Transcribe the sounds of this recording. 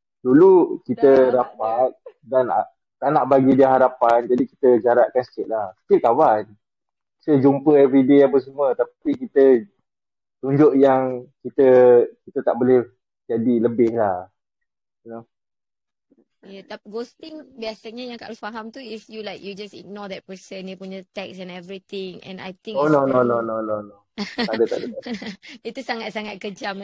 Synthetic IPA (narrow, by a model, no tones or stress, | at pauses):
dulukit̪əɾapat̪̚dana̰ʔ | t̪anaʔbaɡidiaɦaɾapand͡ʒadiki̥t̪əd͡ʒaɾaʔ̚kansə̥kɪʔ̪̚lahsi̥kilkawan | səd͡ʒumpəɛvɾideapəs̬əmuət̪apikit̪ə | t̪uɲd͡ʒʊʔjaŋkit̪əkit̪ət̪aʔbolɛ | d͡ʒadiləbɪhlah | ino | jɛt̪apɡost̪ĩŋbiasaɲəjãŋkaʔospaɦamt̪uisjulajkjud͡ʒasḭɡ̚nɔd̪ɛt̪̚pəsə̃njupuɲət̪ɛksɛ̃nɛvɾit̪ɪ̃ŋɛ̰̃na̰jt̪ĩŋonononononono | t̪adət̪adət̪adit̪usaŋat̪̚saŋat̪̚kəd͡ʒam